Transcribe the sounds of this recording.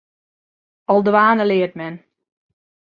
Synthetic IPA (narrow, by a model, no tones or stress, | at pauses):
ɔlˠdʋaːnəlɪərtmɛn